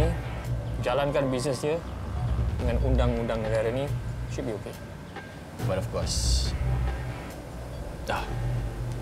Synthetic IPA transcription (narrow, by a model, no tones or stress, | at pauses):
i | d͡ʒalankanbis̬nəsdiə | dəŋãnʔundaŋundaŋnəɡaɾaniʃud̚bioke | batɔfkɔs | ta